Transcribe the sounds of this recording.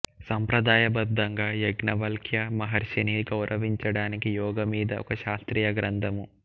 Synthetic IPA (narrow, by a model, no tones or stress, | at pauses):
sɐmpɾɐd̪aːjɐbɐd̪ːɐŋɡaːjeɡnɐʋɐlkʰjɐmɐɦɐɾʃɐniːɡɐuɾʔɐʋiɲt͡ʃɐɽaːnikijɔːɡɐmiːd̪ɐʔɔ̰kɐʃaːst̪ɾiːjɐɡɾɐnd̪ɐmu